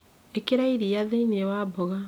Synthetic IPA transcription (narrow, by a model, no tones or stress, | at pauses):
ekeɾaiɾiaðeinewabɔɣa